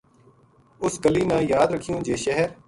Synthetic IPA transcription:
ʊskəliːnãːjaːd̪ɾəkʰːijõːd͡ʒeːʃəɦəɾ

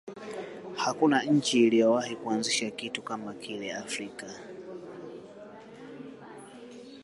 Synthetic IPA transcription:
hakunaɲ̩t͡ʃiːlijɔwahikuanziʃakitukamakilɛafɾika

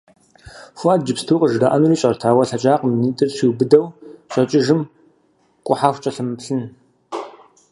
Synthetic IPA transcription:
fʷaːd̚d͡ʒɨpstʰuːqʼəʒdaʔɐnuːriːɕʼɐrtʰaːwɐɬɐt͡ʃʼaːqminiːtʼɨrʃiːwbɨdɐwɕʼɐt͡ʃʼɪʒɨm | kʷʼʊħaːxʷt͡ʃʼɐɬɨmɨpɬɨn

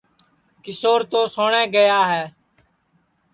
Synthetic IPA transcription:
kɪsoːɾt̪oːsoːɳẽːɡəjaːɦɛː

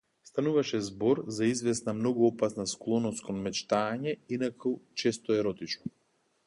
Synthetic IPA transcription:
st̪anuvaʃɛzbɔɾzaizvɛsnamnɔɡuɔpasnasklˠɔnɔskɔnmɛt͡ʃt̪aːɲɛinakʰət͡ʃɛst̪ɔɛɾɔt̪it͡ʃnɔ

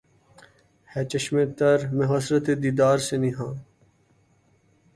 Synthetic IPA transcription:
hɛːt͡ʃɐʃmẽːt̪ɐɾmẽɦɐsɾət̪ed̪iːd̪aːɾsenĩːɦãː

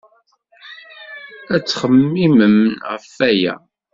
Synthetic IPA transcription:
æt͡sːχəmːiməmʁəfæjæ̰

